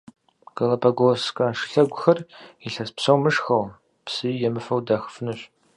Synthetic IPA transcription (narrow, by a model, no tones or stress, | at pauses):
ɡ̥ɐlɐpʰɐɡʷoskʼɐʂɨ̥ɬɐɡʷʊxɐriɬɐspsɐwmɨʂxɐw | psɨjɛmɨfɐwdaxə̥fɨnɨɕʷ